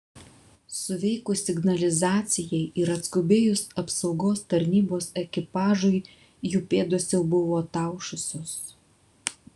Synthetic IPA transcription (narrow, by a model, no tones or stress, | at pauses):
sʊʋʲɛɪkʊsʲɪɡnɐlʲɪzɑːt̪sʲɪjɛɪʔɪɾɐt̪skʊbʲeːjʊsɐpsɒʊɡoːst̪ɐɾʲnʲiːboːsɛkʲɪpɑːʒʊɪ | juːpʲeːd̪osjɛʊbʊʋoːt̪ɑˑʊʃʊsʲoːs